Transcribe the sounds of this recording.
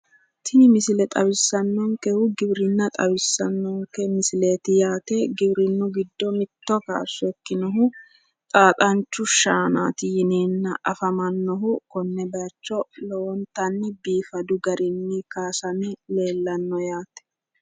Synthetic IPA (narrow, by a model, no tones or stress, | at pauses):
t̪ʰɪnɪmɪsɪlɛt̪ʼɐwɪsːɐnːɔŋkɛhʊɡɪbɾɪnːɐt̪ʼɐwɪsːɐnːɔŋkɛmɪsɪleːt̪ɪjaːt̪ɛɡɪbɾɪnːʊɡɪd̪ːɔmɪt̪ːɔka̰ːsːʊɛkːɪnɔɦʊ | t̪ʼaːt̪ʼɐnt͡ʃːʊʃaːna̰ːt̪ɪjɪneːnːɐʔɐfɐmɐnːɔɦʊkɔnːɛbɛɐt͡ʃːɔlɔwɔnt̪ɐnːɛbiːfɐd̪ʊɡɐɾɪnːikaːsɐnɛle̞ːlːɐnːɔjaːt̪ɛ̥